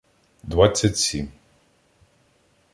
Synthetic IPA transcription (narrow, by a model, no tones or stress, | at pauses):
d̪vat̪sʲatʲsʲim